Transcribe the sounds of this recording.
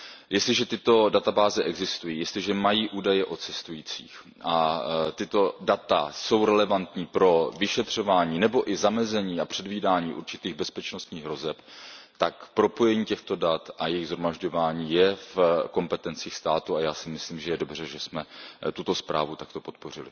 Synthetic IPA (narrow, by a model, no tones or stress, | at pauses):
jɛst̪lɪʒɛt̪ɪt̪o̞dat̪abaːzɛʔɛɡzɪst̪ujiːjɛst̪lɪʒɛmajiːʔuːdajɛʔo̞t͡sɛst̪ujiːt͡sḭːx | ʔat̪ɪt̪o̞dat̪a̰so̞wɾɛlɛvant̪ɲiːpɾo̞vɪʃɛt̪r̝̥o̞vaːɲiːnɛbo̞ʔɪzamɛzɛɲiːapr̥ɛdviːdaːɲiːʔṵɾt͡ʃɪt̪iːɣbɛspɛt͡ʃnost̪ɲiːɣɦɾo̞zɛpt̪akpɾopo̞jɛɲiːcɛxt̪o̞dat̪ʔajɛjɪɣzɦɾomaʒɟo̞vaːɲiːjɛfko̞mpɛt̪ɛnt͡siːxst̪aːt̪uajaːsɪmɪsliːmʒɛjɛdobr̝ɛʒɛsmɛt̪ut̪o̞spɾa̰ːvut̪akt̪o̞po̞t̪po̞rɪlɪ̰